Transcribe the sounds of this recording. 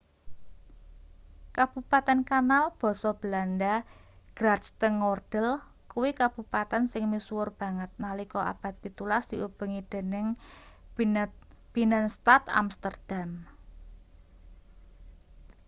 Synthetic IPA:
kab̥upat̪ɛnkanalb̥ɔ̤sɔb̥əlandaɡ̥ɾard͡ʒt̪əŋɔrd̥əl | kuwikab̥upat̪ɛnsɪŋmiswʊrb̥a̤ŋət̪̚nalikɔʔa̰b̥a̤t̪̚pit̪ulasd̪̥iʔub̥ə̤ŋid̪̥e̤nɪŋ | b̥inənst̪at̪a̰mst̪ərd̪̥am

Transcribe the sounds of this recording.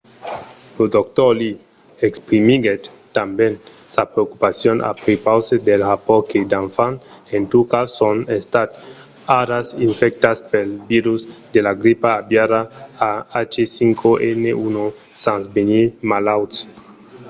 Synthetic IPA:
lod̪okt̪oli | ekspɾimiɡet̪ːamben | sapɾeokupasjonʔa̰pɾipawsed̪elhapoɾked̪aɱfan | ent̪ukasonest̪at̪ | aɾasiɱfek̚t̪aspelbiɾusd̪elaɡɾipaːbjaɾaaat͡ʃesiŋkʰoʔeneuno | sansbenimalawt̪s

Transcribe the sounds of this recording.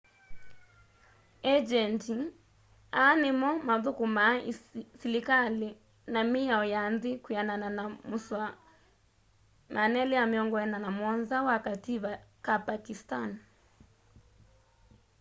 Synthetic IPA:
ɛd͡ʒɛnti | animɔmaðukumasilikali | namiaɔjanzikujanananamuswa | manɛliamiɔŋɡɔɛnanamwɔnzawakatiβakapakistan

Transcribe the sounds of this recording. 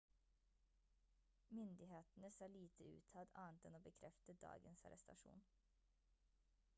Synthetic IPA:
mʏnd̪ɪɦeːt̪n̩əsɑːliːt̪ʰəʉ̰ːt̪ʰɑd̪ɑːnt̪ɛnoːbəkʰɾʔɛft̪əd̪ɑ̰ːɡənsɑ̰ɾɛst̪ɑ̰ʂṵːn

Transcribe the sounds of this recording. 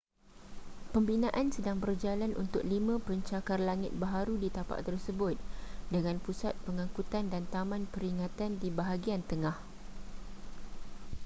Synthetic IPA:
pəmbinãʔansədaŋbərd͡ʒalanʔṵnt̪ʊk̚limãpəɲt͡ʃakarlaŋɪt̪̚baɦaɾudit̪apa̰ʔt̪ərsəbʊt̪̚dəŋãnpusat̪̚pəŋãŋkut̪andant̪amãnpəɾiŋãt̪andibaɦaɡiant̪əŋah

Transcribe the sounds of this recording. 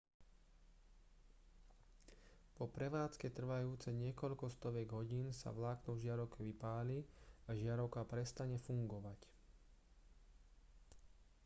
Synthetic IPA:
pɔpɾɛʋaːt͡skɛt̪r̩ʋajuːt͡sɛɲɪɛkɔʎkɔst̪ɔʋɛɡɦɔɟiːnsa̰ʋlaːknuʒɪaɾɔʊkɛʋipaːliaʒɪaɾɔʊkapɾɛst̪aɲɛfuŋɡɔʋac

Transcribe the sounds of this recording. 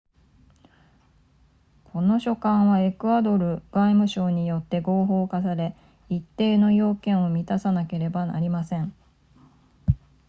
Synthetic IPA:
kʰo̞no̞ɕo̞kãɰ̃βae̞kɯ̟ad̪o̞ɾɯ̟ɡ̥aimɯ̟ɕo̞ːɲ̟ijo̞t̪ːe̞ɡo̞ːɦo̞ːkasaɾe̞ | it̪ːe̞ːno̞jo̞ːkẽ̞ɰ̃o̞mʲit̪asanake̞ɾe̞bana̰ɾʲimasẽ̞ɴ

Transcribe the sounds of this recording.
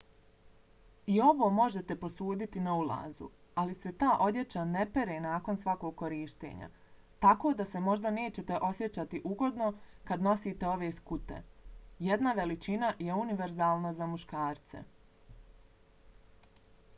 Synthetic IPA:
io̞ʋo̞ːmo̞ʒe̞t̪e̞po̞suːd̪it̪inaulˠa̰ːzṵ | alise̞t̪aːʔo̞d̪je̞t͡ʃane̞pe̞ɾe̞ːnaːko̞nsʋako̞ːɡ̚kːo̞ɾiːʃt̪ḛːɲa̰ | t̪ako̞ːd̪ase̞mo̞ʒd̪ane̞ːt͡ɕe̞t̪e̞ʔo̞sje̞t͡ɕat̪iʔuɡo̞d̪no̞kad̪no̞siːt̪e̞o̞ʋe̞ːskut̪ḛje̞d̪naʋe̞lit͡ʃinaje̞uniʋe̞ɾzaːlˠnazamuʃkaːɾt̪sḛ

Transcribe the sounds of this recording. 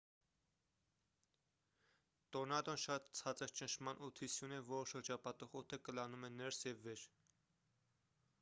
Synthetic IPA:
t̪ɔnɑd̪ɔnʃɑt̪t͡sʰɑt͡səɾt͡ʃənʃʰmɑnʔut̪ʰisjunɛvɔɾʃəɾd͡ʒɑpɑt̪ɔχɔt̪ʰəkəlɑnumɛnɛɾsjɛvːɛɾ

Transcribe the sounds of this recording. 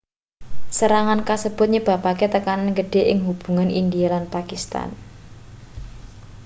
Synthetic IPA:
səɾaŋankasəb̥ʊ̤t̪̚ɲəb̥a̤paket̪əkananɡəɖ̥e̤ʔɪŋɦub̥ṳŋanind̪ialanpakist̪a̰n

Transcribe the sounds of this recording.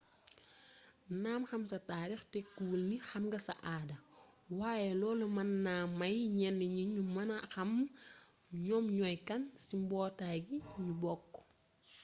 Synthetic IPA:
naːmxɐmsɐtaːɾixtɛkuːlnixɐmɡɐsɐ̰ʔaːdɐwaːjɛlɔːlumɐnːaːmːɐjɲɛnːɛɲuɲumɐnɐxɐm | ɲɔmɲɔjkɐnsimbɔːtaːɡiɲubɔkː

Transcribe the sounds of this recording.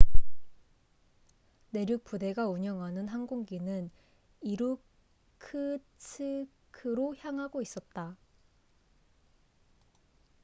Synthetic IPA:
ne̞ɾjuk̚p͈ude̞ɡauɲʌŋɦanɯnɦanɡuŋɡinɯn | iɾu | kʰɯtʰɯkʰɯɾoçjaŋɦaɡois͈ʌt̚t͈a

